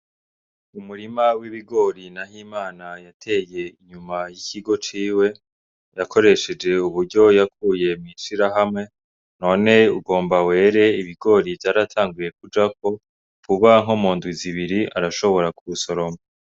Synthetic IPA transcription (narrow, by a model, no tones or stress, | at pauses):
umuɾimawiβiɡo̞ːɾinahiːmaːnajatʰe̞je̞iɲumajiciɡo̞t͡ʃiːwe̞ | jakʰo̞ɾe̞ʃe̞d͡ʒe̞uβuɾɟo̞jakʰuːje̞mŋiʃiɾaɦamŋe̞ | no̞ːne̞uɡo̞ːmbawe̞ːɾe̞iβiɡo̞ːɾivjaːɾatʰaːŋɡuje̞kud͡ʒako̞ | kuβaŋɦomoːndiziβiɾiaɾaʃo̞βo̞ɾakuβuso̞ɾo̞mo